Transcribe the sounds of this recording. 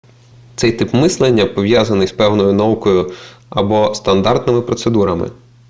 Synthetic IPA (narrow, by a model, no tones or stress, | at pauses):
t̪sɛjt̪ɪpmɪslˠenʲːɐpɔʋjazɐnɪspɛwnɔjʊnɐʋukɔjʊɐbɔst̪ɐnd̪ɑrt̪nɪmɪpɾɔt̪sed̪uɾɐmɪ̰